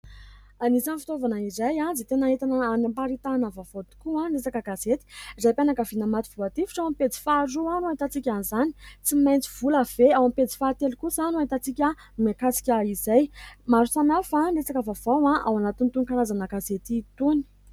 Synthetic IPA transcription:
anisanifi̥t̪ovanaizajãd͡zet̪enaet̪anəanimpaɾit̪anavavod̪i̥kuãlesakəɡazet̪i̥izajpanakavinamat̪iv̥uat̪ifi̥ʈ͡ʂawamped͡zi̥faɾuanuaɦit̪at͡sikʲanizani̥t͡simajnt͡siv̥uləveawamped͡zi̥faːt̪elikusanuait̪at͡sikʲə | makasi̥kʲəizajmaɾusanafalesakəvavawãʔawanat̪int̪unkaɾazanəɡazet̪it̪uni̥

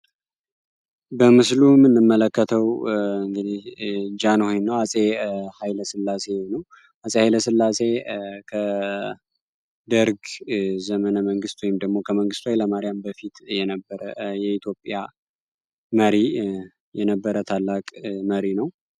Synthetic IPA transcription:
bəmɨslumːɨnːɨmːələkːət̪ʰəwɨŋɡɨd̪ihd͡ʒanhojnːəwasʼehajləsɨlːase̞nəw | asʼehajləsɨlːase̞kʰə | d̪əɾɡzəmənəməŋɡɨst̪ʰwojɪmd̪əɡmo̞kʰəməŋɡɨst̪uwajləmaɾijambəfit̪jɛnəbːəɾəjɛit̪ʰjo̞pʼːja | məɾi | jɛnəbːəɾət̪ʰalːakʼməɾinəw

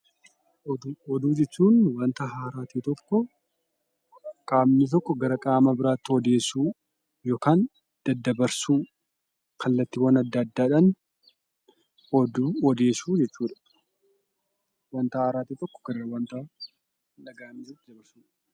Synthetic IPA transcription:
d̪ɔd̪uːd͡ʒɛt͡ʃːuːnwɐnt̪ɐɦaːɾaːt̪iːt̪ɔkːɔ | kʼaːmnɪt̪̬ɔkːɔɡɐɾɐkʼaːmɐbɪɾaːt̪ːɪɔd̪e̞ːsuː | joːkaːn | d̪̥ɐd̪ːɐbɐɾsuː | kʰɐlːɐt̪ːɪwɐnɐd̪ːɐd̪ːaːɪᶑɐn | ɔd̪uɔd̪e̞ːsuːd͡ʒɛt͡ʃːuːᶑɐ̥ | wɐnt̪ɐhaːɾaːt̪iːt̪ɔkːɔ̥ɡ̥ɐɾɐɐwɐnt̪ɐ | nɐɡaːmːɪɐt̪ːɪd̪ɐbɐɾsuːᶑ

